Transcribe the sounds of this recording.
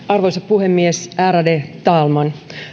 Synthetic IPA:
ɑrʋo̞jsɑppuhe̞mːiesʔæːɾɑdet̪ɑːlmɑn

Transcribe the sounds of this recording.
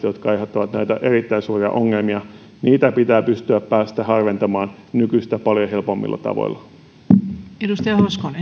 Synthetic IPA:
jot̪kɑejɦot̪ːɑʋɑt̪næjt̪æʔe̞ɾit̪ːæinsuːriɑ̰ʔo̞ŋːelmiɑ | niːt̪æpit̪æːpyst̪yæpːæːst̪æɦɑrʋent̪ɑmɑːn | nykyst̪æpɑljoɦe̞lpo̞mːḭlːɑ̰t̪ɑ̰ʋo̰ilːˑɑ | edust̪ɑjɑhoskone

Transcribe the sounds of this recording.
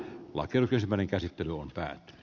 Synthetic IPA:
lɑ̰kˑeˑruksensimːˑæˑeneŋkæsit̪ːelyompæ̰ːt̪ːy̥ny̥

